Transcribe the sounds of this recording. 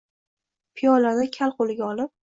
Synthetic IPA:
pʰɪjɒlad̪akʲʰalqolɪɡʲaɒlɪp̚

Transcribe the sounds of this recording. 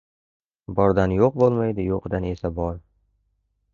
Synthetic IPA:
bɒɾd̪anjoq̚bolˠmajd̪ɪjoqd̪ane̞sabɒɾ

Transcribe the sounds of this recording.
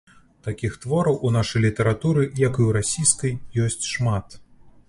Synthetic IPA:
t̪akʲixt̪vɔɾɐwʔunaʂɐjlʲit̪ɐɾat̪uɾɨjakɨjwɾasʲijskɐjjɔsʲt͡sʲʂmat̪

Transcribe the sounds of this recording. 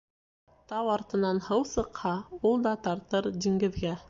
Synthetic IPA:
t̪ɑwɑɾt̪ɤ̆nɑnhɤwsɤ̆qhɑulˠd̪ɑt̪ɑɾt̪ɤɾd̪ʲiŋɡɘ̆ðɡæ

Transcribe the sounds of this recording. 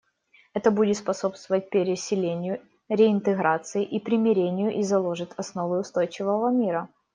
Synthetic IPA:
ɛt̪əbudʲɪt̪spɐso̞pst̪vəvət̚ʲpʲɪɾʲɪsʲɪlʲenʲɪjʊ | ɾʲɪɪnt̪ɨɣɾat̪sɨɪʔipɾʲɪmʲɪɾʲenʲɪjʊʔizɐlˠo̞ʐɨt̪ʰɐsno̞vəʊst̪o̞jt͡ɕɪvəvəmʲiɾə

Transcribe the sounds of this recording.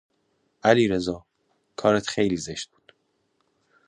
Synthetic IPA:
ʔæliːɾe̞zɒː | kʰɒːɾet̪χe̞jliːzeʃt̪̚b̥u̥ːd̪̥

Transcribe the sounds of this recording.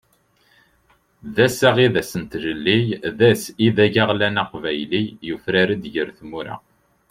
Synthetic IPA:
ðæsæʁiðæsənt̪ʒəlːijðæsiðæʝæʁlænɑqvæjlijufɾæɾæd̪ʝəɾθmuɾa̰

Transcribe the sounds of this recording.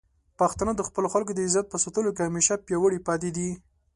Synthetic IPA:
paxt̪anad̪əxpəloxalk̬od̪əɪzat̪̚pəsat̪əlokehameʃapjɑwəɽipɑt̪̬ed̪i

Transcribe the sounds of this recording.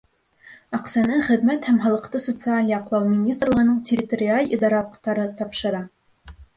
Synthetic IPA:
ɑqsænɤχɘ̆ðmæt̪hæmɦɑlˠɤ̆qt̪ɤsot̪sɨalʲjɑqlˠɑwmʲɪnʲist̪rlˠɤʁ̆nɤɴtʲɪrʲɪt̪oɾʲɪalʲid̪ɑɾɑt̪ɑɾɤt̪ɑpʃɤ̆ɾɑ

